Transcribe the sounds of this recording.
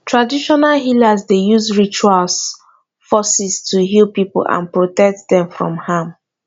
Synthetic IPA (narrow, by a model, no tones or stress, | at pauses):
tʰɹadiʃɔnalɦilazdejuzɹit͡ʃuals | fɔsistʰuɦilˠpipṵlã̰npɹotɛk̚tdɛ̃mfɹɔ̰̃mhãm